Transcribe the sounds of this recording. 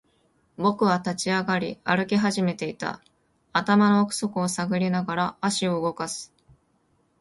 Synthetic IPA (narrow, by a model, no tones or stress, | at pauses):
bo̞kɯ̟βat̪at͡ɕiaɡaɾʲḭaɾɯ̟kʲiɦaʑime̞t̪e̞it̪a̰ː | t̪amano̞ːkɯ̟̥so̞kɯ̟osaɡɯ̟ɾʲinaɡaɾaːɕio̞ɯɡo̞kasɨ̥